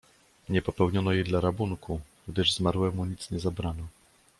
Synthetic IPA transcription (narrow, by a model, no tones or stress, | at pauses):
ɲɛpɔpɛwɲɔnɔjejd̪laɾabuŋku | ɡd̪ɘʐzmaɾwɛmuɲit̪sɲɛzabɾanɔ